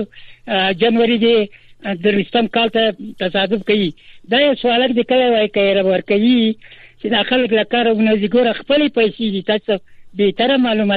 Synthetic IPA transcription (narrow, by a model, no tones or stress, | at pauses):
d͡ʒanwaɾid̪ed̪əɾwist̪əmkɑlt̪at̪asɑd̪ʊfkawid̪ɑjawswɑlak̚d̪ekəlawajkaɾabaɾkawit͡ʃed̪ɑxaləklakɑɾaunaziɡoɾaxpəlepajsed̪it̪ɑst̪abet̪aɾamɑlumɑ